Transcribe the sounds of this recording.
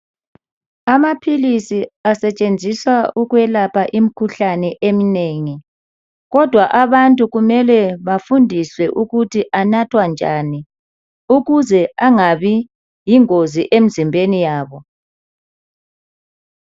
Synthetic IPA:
amapʰilisiasɛt͡ʃʼend͡zʱiswauɣwɛlapʰaʔim̩ikʰuɬanɛʔemineːŋi | ɣɔd̥ʱwaʔaβantʼuɣumɛlɛβafundʱiswɛʔuɣutʰiʔanatʰwand͡ʒʱani | uɣuzɛaŋaβi | jiŋoziʔem̩zimbʱenijaːβɔ

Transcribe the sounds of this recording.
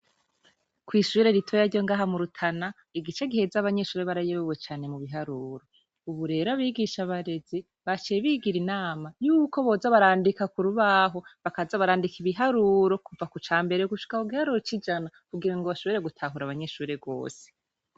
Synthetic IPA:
kwiːʃuːɾe̞ɾitʰo̞jaɾɟo̞ŋɡaːɦamuɾutʰana | iɡit͡ʃe̞ɡihe̞zaβaɲe̞ʃuːɾeβaɾajeβewe̞t͡ʃaːne̞muβiɦaɾuːɾo̞ | uβuɾe̞ːɾoaβiːɡiʃaβaɾe̞zi | βat͡ʃeβiɡiɾinaːmajuːko̞βo̞ːzaβaɾaːndikakuɾuβaɦo̞βakazaβaɾaːndikʰiβiɦaɾuːɾo̞kuvakut͡ʃaːmbe̞ɾe̞ɡuʃi̥kahuɡihaɾuɾo̞t͡ʃid͡ʒanakuɡiɾaŋɡoβaʃo̞βeɾe̞ɡutʰaɦuɾaβaɲe̞ʃuːɾe̞ɡo̞̰ːse̥

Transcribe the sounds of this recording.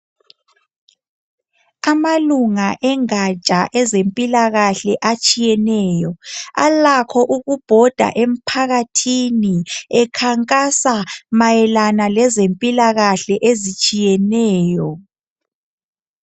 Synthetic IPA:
amaluŋaʔɛŋat͡ʃʼaʔɛzempʼilaɣaɬɛʔat͡ʃʼijɛnɛːjɔa̰lakʰɔʔuɣub̥ʱɔd̥ʱa̰ʔem̩pʰaɣatʰiniɛkʰaŋkʼasamajɛlanalɛzempʼilaɣaɬɛʔezit͡ʃʼijɛnɛːjɔ

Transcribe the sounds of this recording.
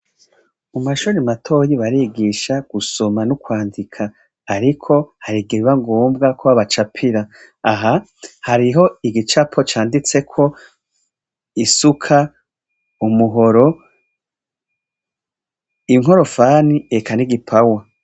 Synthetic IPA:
umaʃuːɾimatʰo̞ːjiβaɾiːɡiʃaɡ̥usomanukwaːndikʰaː | ɾikʰo̞haɾiɡiɾiβaŋɡoːmbɡakʰoaβat͡ʃapʰiɾaː | ɦa | haɾiɦo̞iɡit͡ʃapʰo̞t͡ʃaːndit͡se̞kʰo̞ | isukʰa | umuɦoɾo̞ | iŋ̥o̞ɾo̞faːnie̞kaniɡipʰawa

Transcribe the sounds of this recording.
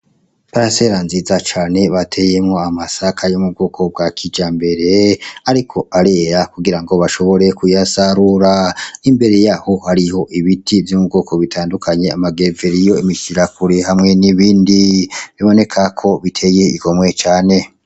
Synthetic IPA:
paɾase̞ɾanziːzat͡ʃaːne̞βatʰe̞je̞mŋo̞amasakʰajomub̚ɡoːkʰo̞b̚ɡakʰid͡ʒambe̞ɾe̞aɾikʰo̞ʔaɾe̞ːɾakuɡiɾaŋɡo̞βaʃo̞βo̞ɾe̞kujasaɾuɾanimbe̞ɾe̞jaho̞haɾiho̞ʔiβitivjomub̚ɡo̞ːko̞βitʰaːndukʰaɲe̞amaɡe̞veɾijo̞imiʃiɾakuɾehamŋe̞niβiːndiβiβo̞ne̞kʰakʰo̞βitʰe̞je̞iɡo̞mwe̞t͡ʃaːne̞

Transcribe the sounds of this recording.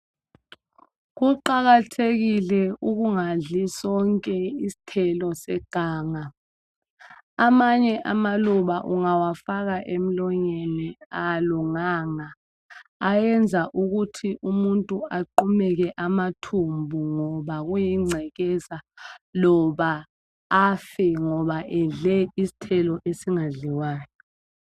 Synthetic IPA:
k̬uǃaɣ̬atʰeɣ̬ilɛuk̬uŋaɮisɔŋkʼɛisi̥tʰɛlɔsɛɡ̥ʱaːŋa | amaɲɛʔamaluɓaʔuŋawafak̬aʔem̩lɔɲɛnɛaluŋaŋaː | jɛnd͡zʱaʔuɣ̬utʰiʔumuntʼuaǃumɛk̬ɛʔamatʰumbʱuŋɔɓaɣ̬ujiŋ͡ǀʱɛkɛzalɔɓaː | fɛŋɔɓaʔɛɮɛisi̥tʰɛlɔʔesiŋaɮiwaːjɔ

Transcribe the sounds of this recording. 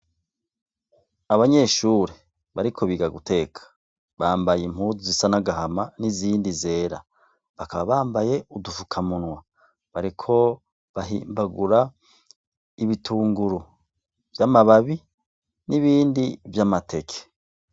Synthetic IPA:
aβaɲe̞ʃuɾe | βaɾikʰo̞βiːɡaɡute̞ːkʰḁ | βaːmbajem̥huːzuzisanaɡaɦamaniziːndize̞ːɾa̰ | βakaβaβaːmbaje̞udufukʰamunwa | βaɾikʰo̞ | βaɦḭːmbaɡuɾa | iβitʰuːŋɡuɾu | vjamaβaβi | niβiːndivjamatʰe̞kʰe̥

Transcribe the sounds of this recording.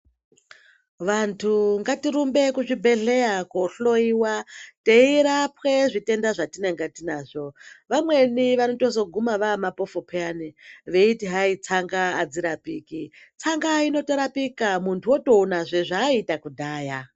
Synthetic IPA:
ʋantʰuŋɡatiɾumbe̞kuʐibʱe̞ɮejakoɬo̞iːwateiɾapwe̞ʐite̞ndaʐatineŋɡatinaːʐo̞ʋamwe̞niʋanoto̞zo̞ɡʱumaʋamapo̞fopʰeaniʋe̞itiɦait͡saŋɡaːd͡ziɾapiːki | t͡saŋɡaino̞teɾapikamuntʰuoto̞unaʐeʐaitakudʱaːja

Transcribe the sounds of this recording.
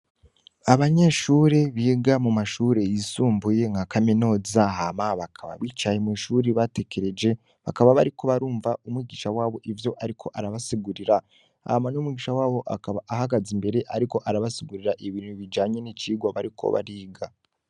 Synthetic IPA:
aβaɲe̞ʃuːɾe̞βiːɡamumaʃuːɾe̞jisuːmbuje̞ŋɡakaminoːzaɦamaβakʰaβa̰βiːt͡ʃajemiʃuːɾiβate̞kʰe̞ɾe̞d͡ʒe̞ | βakaβaβaɾiko̞βaɾuːɱvaumwiːɡiːʃawaːβo̞ʔivjo̞ʔaɾikʰo̞ʔaɾaβasiɡuɾiɾa | ha̰manumwiːɡiːʃawaːβo̞ʔaaβaːɦaɡazimbe̞ɾe̞ʔaɾiko̞ʔaɾaβasiɡuɾiɾaʔiβiːn̥huβid͡ʒaːɲe̞nit͡ʃiːɡwaβa̰ɾikʰo̞̰βa̰ɾiːɡa

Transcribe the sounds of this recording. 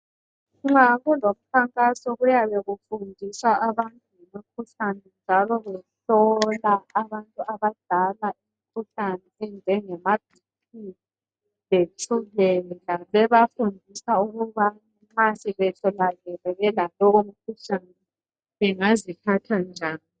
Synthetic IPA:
ŋ͡ǁaɣulom̩kʰaŋkʼasɔɣujaβeɣufundʱiswaʔaβantʼuimikʰuɬanɛnd͡ʒʱalɔβɛɬɔlaːβantʼuaβad̥ʱalaim̩kʰuɬanɛɛnd͡ʒʱɛŋɛmab̥̚ʱi | ti | βet͡ʃʰuβɛɣaβɛβafundʱisauɣuβa | masʼiβɛtʰɔlaɣɛrɛɣɛlalowom̩kʰuɬanɛ | βɛŋazikʰatʰand͡ʒʱaːni

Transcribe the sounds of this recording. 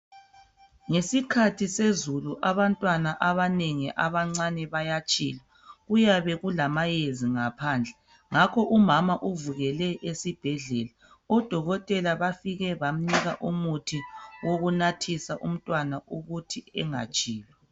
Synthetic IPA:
ŋesikʰatʰisezuluʔaβantʼwanaʔaβaneŋɛʔaβaŋ͡ǀanɛβajat͡ʃʼḭːla | ɣujaβɛɣulamajeziŋapʰaːnd͡ɮʱɛ | ŋakʰɔʔumamaʔuvuɣɛlɛʔesib̥ʱɛɮɛla | ɔd̥ʱɔɣɔtʼɛlaβafiɣɛβam̩niɣaʔumutʰiwoɣunatʰisaʔum̩tʼwanauɣutʰiɛŋa̰t͡ʃʼiːlɛ

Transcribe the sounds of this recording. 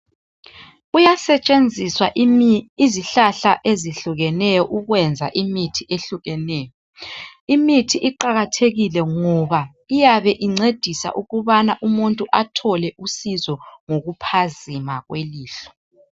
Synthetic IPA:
ujasɛt͡ʃʼend͡zʱiswa | iziɬaɬaʔeziɬuɣɛnɛjɔʔuɣwɛnd͡zʱa̰ʔimitʰieɬuɣɛnɛjɔ | imitʰiʔiǃaɣatʰeɣilɛŋɔβa | ijaβɛʔiŋ͡ǀed̥ʱisa̰ʔuɣuβanaʔumuntʼuʔatʰɔlɛʔusizɔŋoɣupʰazimaɣweliːɬɔ̥

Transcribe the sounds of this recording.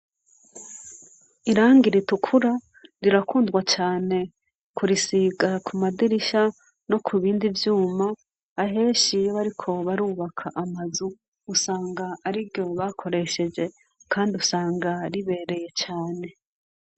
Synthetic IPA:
iɾaːŋɡiɾitukʰuɾa | ɾiɾakuːndɡwat͡ʃaːne̞ | kʰuɾisiːɡakʰumadiɾiʃa | no̞kʰuβiːndivjuːmaː | ɦe̞ːʃijβaɾikʰo̞βaɾuːβakʰaʔamazuː | saːŋɡaːɾiɾɟo̞βaːkʰo̞ɾe̞ʃe̞d͡ʒe̞ | kʰaːndiusaːŋɡaɾiβe̞ːɾe̞je̞t͡ʃaːne̞

